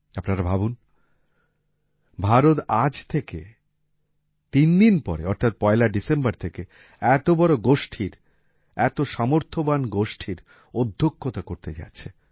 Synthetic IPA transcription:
apnaɾabʱabun | bʱaɾot̪ad͡ʑt̪ʰeke | t̪ind̪inpɔ̰ɾḛɔɾt̪ʰat̪̚pɔelaɖisembaɾt̪ʰeke | ɛt̪obɔɾoɡoʃʈʰiɾ | ɛt̪oʃamoɾt̪ʰobanɡoʃʈʰiɾ | od̪ʱːokʰːot̪akoɾt̪ed͡ʑa̰tːɕʰe

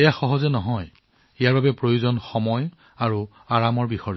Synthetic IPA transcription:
ɛjaxɔɦɔzɛnɔɦɔj | ɛjaɹbabɛpɹojuzɔnxɔmɔj | aɹu | aɹamɔɹbixɔɹ

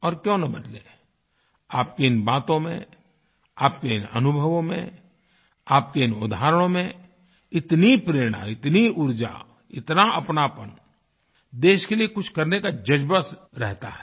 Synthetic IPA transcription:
ɔːɾkjõːnɐbɐd̪leː | aːp̚keɪnbaːt̪õmḛ̃ | aːp̚keɪnɐ̰nʊbʱəʋõmḛ̃ | aːp̚keɪnʊd̪aːɾəɽ̃õmẽ | ɪt̪nipɾeːɾɽ̃a̰ɪt̪niʊɾd͡ʒa̰ | ɪt̪naɐpnaːpən | d̪eːʃkeliekʊt͡ʃʰkɐɾnekad͡ʒɐd͡ʒbəs | ɾɛɦt̪a̰ɦɛ̥

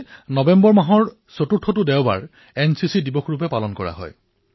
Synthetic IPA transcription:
nɔbɛmbɔɹmaɦɔɹ | sotutʰɔtʊdɛwba̰ɹ | ɛnsisidibɔxɹup̬ɛpalɔnkɔɹa̰ɦɔ̰j

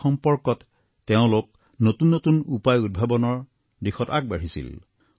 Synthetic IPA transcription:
xɔmpɔɹkɔtː | eʊ̃lok̚ | notunːotunupajud̚bʱabɔnɔɹ | dixʰɔtak̚baɹ̤isḭl

